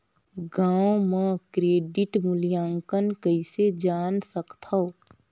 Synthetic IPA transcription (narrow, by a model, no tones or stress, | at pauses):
ɡaːwomə̃kɾeːɖɪʈmʊljaːŋkənkəɪsed͡ʒaːnsəkt̪ʰə